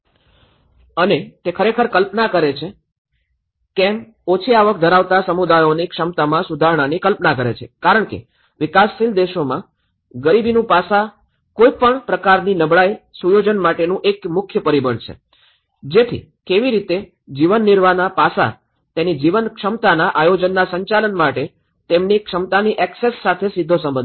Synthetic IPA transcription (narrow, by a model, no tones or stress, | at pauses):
ənet̪ekʰəɾekʰəɾkəlpnakəɾet͡ʃʰe | kɛ̃m | ot͡ʃʰiaʋək̚d̪ʱəɾaʋt̪asəmud̪ajonekʂəmt̪amãsud̪ʱaɾɳanikəlpnakəɾet͡ʃʰḛkaɾəɳkḛ | ʋɪkasːild̪eʃomã | ɡəɾibinũpasa | koipəɳpɾəkaɾninəbɭajsujod͡ʒənmaʈenũʔekmʊkʰjəpəɾibəɳt͡ʃʰḛ | d͡ʒet̪ʰḭ | keʋiɾit̪e | d͡ʒiʋənːɪɾʋanapasa̰ | t̪enid͡ʒiʋənkʃəmt̪anaʔajod͡ʒənːasəɲt͡ʃalənmaʈe | t̪emnikʂəmt̪aniʔɛksesːat̪ʰesid̪ʱːosə̃mbən